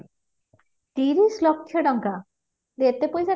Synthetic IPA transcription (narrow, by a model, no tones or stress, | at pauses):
t̪iɾislokʰːjoɖɔŋka | d̪et̪epojsa